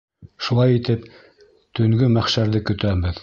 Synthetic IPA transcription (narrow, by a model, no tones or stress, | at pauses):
ʃulˠɑjit̪ɘp | t̪ɵ̆ŋɡɵmæχʃæɾðɘkɵ̆t̪æbɘð